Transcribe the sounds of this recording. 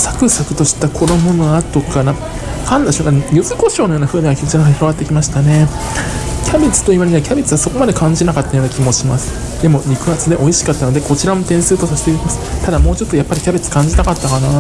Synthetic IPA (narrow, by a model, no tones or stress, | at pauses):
sḁkɯ̟sakɯ̟̥t̪o̞ɕi̥t̪akʰo̞d̪omonoat̪okana | kãnd̪aɕokajɯzɨko̞ɕo̞ːnojo̞ːnaɸɯ̟ːɲeɡakʲit͡ɕinakːaçiɾo̞βat̪ːekʲimaɕi̥t̪ane̞ | kʲʰabʲet͡sɨ̥t̪o̞iβaɾeɲ̟iakʲʰabet͡sɨβaso̞ko̞mad̪e̞kãɲ̟d͡ʑinakat̪ːajo̞ːnakʲimo̞ɕimasɨ̥ | d̪e̞mo̞ɾʲikɯ̟ɡat͡sɨd̪e̞ʔo̞iɕi̥kat̪ːano̞d̪e̞ko̞t͡ɕiɾamo̞t̪ẽ̞ɰ̃sɨːt̪o̞saɕi̥t̪eiimasɨ̥t̪ad̪amo̞ːt͡ɕo̞t̪ːojapːaɾʲikʲabet͡sɨ̥kãɲ̟d͡ʑit̪akat̪ːakana